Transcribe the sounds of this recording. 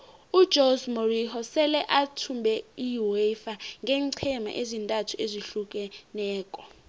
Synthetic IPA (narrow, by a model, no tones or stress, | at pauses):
ud̥d͡ʒʱozmorihɔsɛlɛʔatʰumbʱɛiwefaŋɡʱɛːŋǀʰɛma̰ʔezintʼatʰueziɬukʼɛnɛːkʼɔ